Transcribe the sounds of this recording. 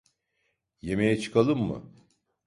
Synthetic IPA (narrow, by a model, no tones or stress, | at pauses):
je̞mejɛt͡ʃʰɯ̥kʰalˠɯmːɯ̰